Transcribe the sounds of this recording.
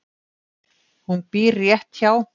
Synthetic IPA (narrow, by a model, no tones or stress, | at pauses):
hunpiɾjɛht̪çaw